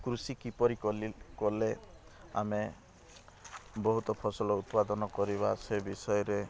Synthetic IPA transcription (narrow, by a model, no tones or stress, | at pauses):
kɾusikipɔɾikɔlikɔlea̰me | bɔɦut̪ɔpʰɔsɔlɔut̪pad̪ɔnɔkɔɾiβasebisɔjɔɾe